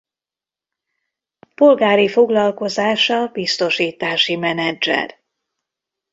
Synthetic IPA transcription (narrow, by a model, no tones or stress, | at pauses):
po̞lɡaːɾifo̞ɡlɒlko̞zaːʃɒbist̪o̞ʃiːt̪aːʃimɛnɛd͡ʒɛ̰r